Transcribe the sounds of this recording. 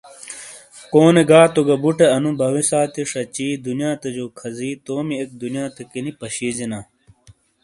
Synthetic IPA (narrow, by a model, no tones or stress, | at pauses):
koːneɡaːt̪oɡɐbuʈeɐnubʱɐwisaːt̪iʂɐt͡ɕiːd̪unjãːt̪ɐd͡ʑoːkʰɐziːt̪oːmiek̚d̪unjaːt̪ɐkinipɐɕiːd͡ʑinaː